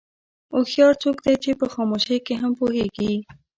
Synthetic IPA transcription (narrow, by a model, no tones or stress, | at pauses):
oxjɑɾt͡sokd̪ejt͡ʃepəxɑmoʃejkeɦampoɦeɡi